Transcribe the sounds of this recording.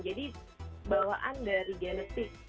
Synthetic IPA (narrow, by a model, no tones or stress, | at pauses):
d͡ʒadi | bawaʔandaɾiɡalət̪ɪk